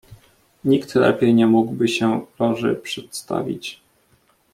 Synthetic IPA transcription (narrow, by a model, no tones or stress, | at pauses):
ɲikt̪lɛ̰pʲjɛjɲɛmuɡbɘɕɛlɔ̃ʐɘ̰pʂɛt̪st̪a̰vʲḭt͡ɕ